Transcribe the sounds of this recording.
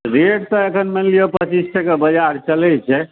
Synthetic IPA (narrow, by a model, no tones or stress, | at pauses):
ɾeɽt̪ɔekʰənmelijopət͡ʃisʈʰekebəd͡ʒaɾt͡ʃəlɛt͡ʃʰɛ